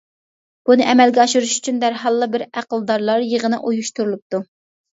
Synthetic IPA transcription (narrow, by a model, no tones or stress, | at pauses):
b̥unɨʔɛmɛlɡʲɛɑʃuɾuʃy̥t͡ʃʰynd̪æɾɦɑlˠːɨbɪɾæqəlˠd̪ɑɾlˠɑɾjəʁənɨʔojuʃt̪uɾulˠup̚t̪u